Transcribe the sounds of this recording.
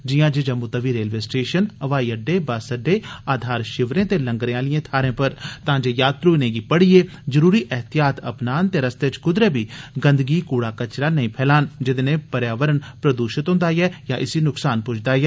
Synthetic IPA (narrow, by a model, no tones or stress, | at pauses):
d͡ʒɪjãːd͡ʒed͡ʒəmːuːt̪əʋiːɾeːlʋeːsʈeːʃənəʋaːiːəɖːeːbaːsəɖːeːaːd̪ʱaːɾʃɪʋɾẽːt̪eːləŋɡɾẽãːlɪjẽːt̪ʰaːɾẽːpəɾt̪ãːd͡ʒeːjaːt̪ɾunẽːɡiːpəɽiːeː | zəɾuːɾiːʔɛɦt̪ijaːt̪ə̰pnaːnt̪eːɾəst̪eːt͡ʃkʊd̪ɾeːbiːɡənd̪ɡiːkuːɽaːkət͡ʃɾaːnəĩːpʰɛːlaːnd͡ʒɪd̪eːnẽːpəɾjaːʋəɾənpɾəd̪uːʃɪt̪ɦʊ̃nd̪aːjɛːjaːʔɪsiːnʊksaːnpʊt͡ʃʰd̪aːjɛː